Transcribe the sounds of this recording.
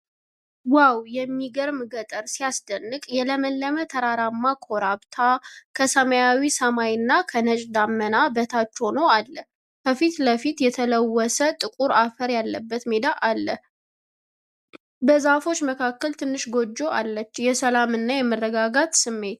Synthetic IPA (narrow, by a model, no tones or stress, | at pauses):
wawjɛmːiɡəɾmɨɡət̪ʼəɾsijasd̪ənːɨkʼjɛləməlːəmət̪ʰəɾaɾamːakʰoɾaβt̪ʰakʰəsəmajawisəmajnːakʰənət͡ʃʼd̪amːənabət̪ʰat͡ʃːɛwnəwalːə | kʰəfit̪ləfit̪jɛt̪ʰələwːɔsət̪ʼɨkʼuɾafəɾjalːəbːət̪med̪aʔalːə | bəzafo̞t͡ʃːməkʰakːəlt̪ʰɨnːɨʃɡo̞d͡ʒːo̞ʔa̰lːət͡ʃːjɛsəlamɨnːajɛmərːəɡaɡat̪sɨmːe̞t̪